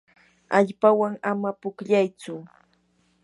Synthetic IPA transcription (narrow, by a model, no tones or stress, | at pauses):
aʎpawaŋamapʊkʎajt͡sʊ